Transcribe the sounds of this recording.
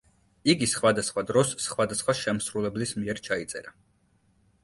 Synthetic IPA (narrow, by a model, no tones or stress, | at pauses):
iɡisχwad̪asχwad̪ɾɔsχwad̪asχwaʃɛmsɾulɛblismiɛɾt͡ʃʰait̪sʼɛ̰ɾa